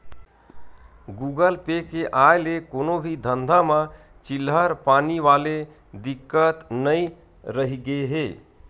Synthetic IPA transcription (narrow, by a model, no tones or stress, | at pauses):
ɡuɡəlpekeʔaelekonobʱid̪ʱənd̪ʱamə | t͡ʃilɦəɾpaniʋale | d̪ikːət̪nəi | ɾəɦiɡeɦe